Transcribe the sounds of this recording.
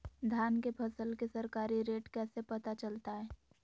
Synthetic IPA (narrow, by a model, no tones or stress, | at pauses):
d̪ʱjaːnkepʰɐsəlkesɐɾkaːɾiɾeːʈkɛːsepɐt̪at͡ʃəlt̪aɦɛː